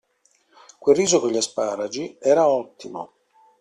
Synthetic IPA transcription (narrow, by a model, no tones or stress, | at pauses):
kwerːiːzokoʎaspaːɾad͡ʒiɛːɾaɔt̪ːimo̰